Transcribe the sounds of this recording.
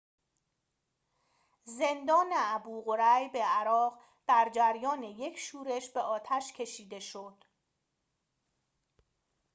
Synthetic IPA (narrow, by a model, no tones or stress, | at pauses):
ze̞nd̪ɒːneæbuːʁo̞ɾæjbe̞æɾɒːʁ | d̪̥æɾd͡ʒæɾjɒːneje̞cʰʃuːɾe̞ʃbe̞ʔɒːt̪ʰæʃcʰe̞ʃiːd̪e̞ʃod̪̥